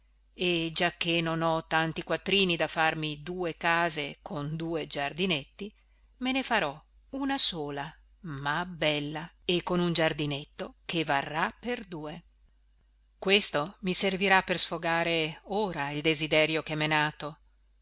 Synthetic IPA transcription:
ed͡ʒak̟ːenonɔt̪ːant̪ikwat̪ːɾiːnid̪afarmid̪uːekaːzekʰond̪uːed͡ʒard̪inet̪ːi | menefaɾɔ | unasoːla | mabɛlːa | ekːonund͡ʒard̪inet̪ːokevarːapːerd̪uːe | kwest̪omiserviɾapːersfoɡaːɾeoːɾaild̪ezid̪ɛɾjokemɛnaːt̪o

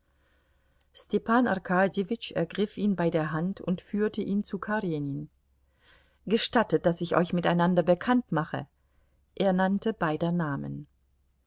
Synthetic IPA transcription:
stʰɛpʰaːna̰ʁkʰaːdevɪt͡ʃɛɐɡʁɪfʔiːnbaɪdeːɐɦantʰʊ̰ntfyːɐtəʔiːnt͡sukʰaʁenin | ɡ̥əʃtatət̚d̥asɪçʔɔ̰ʏçmɪtaɪnandɐbəkʰantmaχə̰ | ʔeːɐnantəbaɪdɐnaːmə̰n

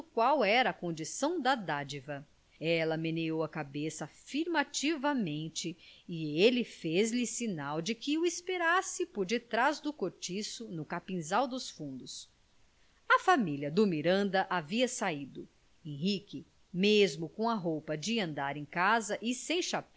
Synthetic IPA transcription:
kwawɛɾɐːkõnd͡ʒisɐ̃w̃d̪ɐd̪ad͡ʒivɐ | ɛlɐmenejowɐkabesɐfiɾmat͡ʃivɐmẽnt͡ʃɪːelɪfezlɪsinawd͡ʒɪkɪʊispeɾasɪpoɾd͡ʒɪt̪ɾazd̪ʊkoɾt͡ʃisʊnʊkapĩzawd̪ʊsfũnd̪ʊs | ɐfamilʲjɐd̪ʊmiɾɐ̃nd̪ɐʔaviɐsaid̪ʊ | ẽj̃ɦikɪ | mezmʊkõɐɦowpɐd͡ʒɪɐ̃nd̪aɾẽj̃kazɐʔɪsẽj̃ʃap

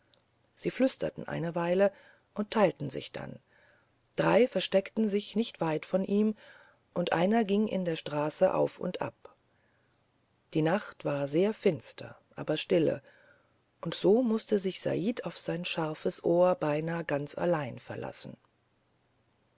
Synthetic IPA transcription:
z̥iːflʏstɐ̰tn̩ʔa̰ɪnəvaɪlə | ʔʊnt̚tʰːaɪltn̩zɪ̰çd̥a̰n | d̥ʁaɪfɛɐʃtɛktn̩zɪçnɪçtv̥aɪtfɔnʔiːm | ʔʊntʔa̰ɪnɐɡɪŋʔɪ̰ndeːɐʃtʁ̥aːsəʔa̰ʊfʊ̰ntʔa̰p̚ | d̥iːnaχtv̥aːɐzeːɐfɪnstʰɐ̰ʔa̰ːbɐʃtɪlə̰ | ʔʊntz̥oːmʊstəzɪçz̥a̰ʔiːtʰaʊfz̥aɪnʃaʁfəsʔoːɐbaɪnaːɡant͡sa̰laɪnfɛɐla̰sn̩

